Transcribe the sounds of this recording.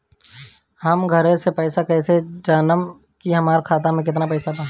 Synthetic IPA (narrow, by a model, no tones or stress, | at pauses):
həmɡʱəɾẽsepɛːsakɛːsed͡ʒaːnəm | kiɦəmaːɾkʰaːt̪amẽkɪt̪napɛːsapãː